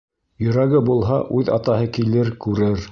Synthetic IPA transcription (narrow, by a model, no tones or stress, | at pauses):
jɵ̆ɾæɡɘbulˠɦɑʔʉðɑ̰t̪ɑɦɤkilɘɾkʉɾɘɾ